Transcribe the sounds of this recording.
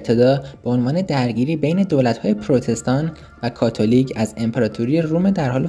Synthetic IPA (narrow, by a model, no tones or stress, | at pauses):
t̪ʰe̞d̪ɒːb̥eo̞nvɒːne̞d̪æɾɟiːɾiːbe̞jne̞d̪oːlæt̪hɒːjepʰɾot̪ʰe̞st̪ɒːn | vækʰɒːt̪ʰo̞liːcʰæze̞mpʰeɾɒːt̪ʰuɾijeruːmed̪æɾhɒːle